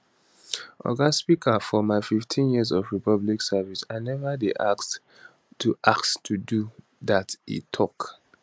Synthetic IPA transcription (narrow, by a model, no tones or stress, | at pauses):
ʔɔ̰ɡaspikʰəfɔmaɪfiftʰĩnjiəzɔvɹipʰʌbliksavisaɪnɛvədeʔaks | tːuʔakttʰudu | ðatḭtʰɔk